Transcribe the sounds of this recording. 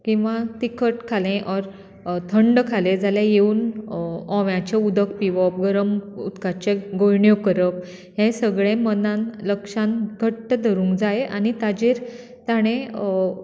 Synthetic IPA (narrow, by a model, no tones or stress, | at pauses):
kĩw̃ʋat̪ikəʈkʰalẽʔɔɾ | t̪ʰəɳɖkʰalẽd͡zaljajeuːn | ɔ̃ʋjãt͡ɕeud̪ʱəkpiʋɔp̚ɡəɾəmut̪kat͡ɕeɡojɳjokəɾəp̚ | ɦẽsəɡɭẽmənãnləkʂãnɡʱəʈːəd̪ʱəɾũːŋɡd͡zajeʔa̰ɽ̃it̪ad͡ʑiɾ | t̪aɽ̃ẽ